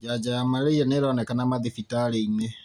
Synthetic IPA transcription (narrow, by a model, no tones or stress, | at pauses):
d͡ʒad͡ʒajamaɾeijaneɾɔnɛkanamaðifitaɾeine